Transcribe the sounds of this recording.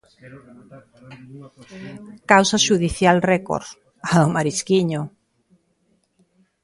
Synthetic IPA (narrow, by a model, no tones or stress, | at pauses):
kawsaʃuðiθjalrɛko̰ɾ | aðomaɾiskiɲo